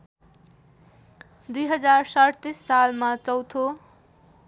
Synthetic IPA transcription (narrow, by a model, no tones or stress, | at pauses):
d̪ujɦʌd͡zarsʌɽt̪isːalmat͡sʌwt̪ʰo